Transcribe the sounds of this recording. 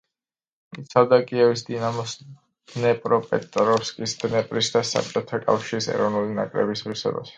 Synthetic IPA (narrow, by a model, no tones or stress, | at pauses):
it̪sʰavd̪akʼiɛvisd̪inamɔs | nɛpʼɾɔpʼɛt̪ʼɾɔfskʼisd̪nɛpʼɾisd̪asa̰p̚ʼt͡ʃʼɔt̪ʰakʼa̰fʃiɾisɛ̰ɾɔvnulina̰kʼɾɛbisʁisɛ̰ba̰s